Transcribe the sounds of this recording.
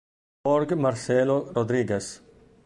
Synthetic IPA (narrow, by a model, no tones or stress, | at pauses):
ɔɾɡmɐɾseloɾod̪ɾiːɡes